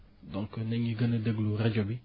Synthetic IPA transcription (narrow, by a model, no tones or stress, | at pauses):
dɔ̃ŋkənɛɲiɡənədəɡluɾɛd͡ʒɔbi